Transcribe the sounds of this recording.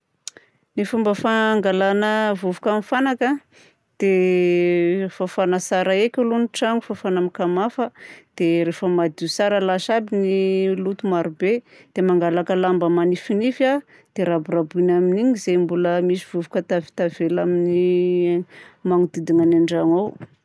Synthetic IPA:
nifumbəfaŋɡalanəvuvukamifanakə | d̪̥e | fafanasaɾəekʲuloniʈ͡ʂaŋufafanamikamafəd̪̥eɾefəmad̪iusaɾəlaʃabinilut̪umaɾube | d̪̥emaŋɡalakəlambəmanifinifa | d̪̥eɾaburabinaminiɲizejmbuləmisiv̥uvukət̪avi̥t̪avelamini | maŋud̪id̪iŋanaɳɖ͡ʐaŋaw

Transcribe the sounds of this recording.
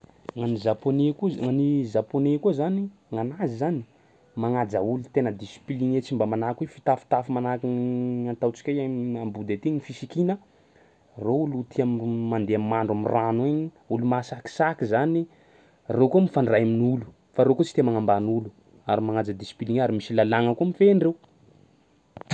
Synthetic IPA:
ŋanizaponekuŋanizaponekuzaniŋanazizani̥ | maŋad͡zaulut̪enəd̪isi̥piliŋet͡simbamanakwefit̪afi̥t̪afumanakiant̪awt͡si̥kʲajamambud̪et̪iɲifisikinə | roulut̪ʰiammand̪eamːaɳɖ͡ʐamiranweɲi | ulumasaki̥sakizani | rekuəmifaɳɖ͡ʐajaminulu̥ | faɾekut͡si̥t̪emaŋambanulu | aɾimaŋad͡zad̪isi̥piliŋaɾimisilalaŋəkuəmifeɳrew

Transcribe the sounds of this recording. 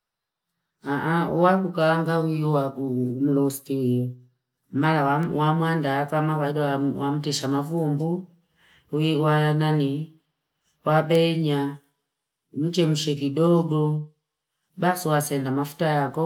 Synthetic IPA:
aʔauwakukalaŋɡawijɔwakum̩lɔstiijɔ | malawawamwandakamakaidawam̩tɛʃamavumbu | wiwanani | waɓɛɲa | m̩t͡ʃɛmuʃɛkidɔɡɔ | basuwasɛndamafu̥tajakɔ

